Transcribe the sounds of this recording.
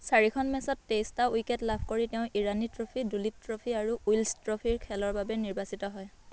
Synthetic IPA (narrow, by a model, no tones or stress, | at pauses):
saɹikʰɔnmɛsɔtːejstaujkɛtlabʱkoɹitɛʊ̃ʔiɹanitɹopʰidulip̚tɹopʰiaɹuujlstɹopʰiɹkʰɛlɔɹbabɛniɹbasitɔɦɔj